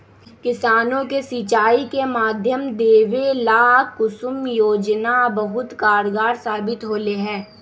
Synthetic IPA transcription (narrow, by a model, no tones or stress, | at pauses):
kɪsaːnõkesit͡ʃaːikemaːd̪ʱjəmd̪eːʋelaːkʊsʊmjoːd͡ʒnabɐɦʊt̪kaːɾɡaːɾsaːbɪt̪ɦoːleɦɛ̃ː